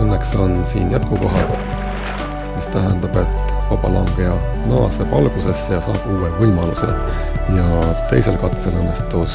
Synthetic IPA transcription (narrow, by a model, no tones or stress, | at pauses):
ɤnːekso̞nsiːnjæt̪̚kuko̞ɦɑd̪ | mist̪æɦend̪ɑb̥e̞t̪vɑb̥ɑlɑŋɡ̥ejɑ | nɑɑ̰sepɑlɡ̥use̞sːejɑsɑːb̥uːwevɤlmɑluse̞̰jɑt̪e̞̰jse̞lkɑt̪se̞lɤnːest̪us